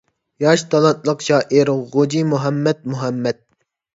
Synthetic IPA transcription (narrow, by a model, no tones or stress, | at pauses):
jɑʃt̪ʰɑlˠɑt̪̚lˠəqʃɑːʔiɾʁod͡ʒimuɦɛmːɛt̪̚muɦɛmːɛd̪̚